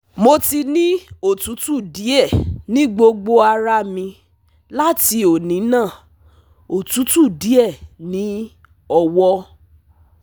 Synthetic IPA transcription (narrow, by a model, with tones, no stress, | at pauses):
mo˧ti˧nĩ˦o˦˨tu˨˦tu˦˨di˨˦ɛ˦˨nĩ˦ɡ͡bo˧ɡ͡bo˧a˧ɾa˧˦mĩ˧ | la˦ti˧˦o˨nĩ˨˦nãː˦˨ | o˨tu˨˦tu˦˨di˨˦ɛ˦˨nĩ˨˦ | ɔ˧wɔ˧˦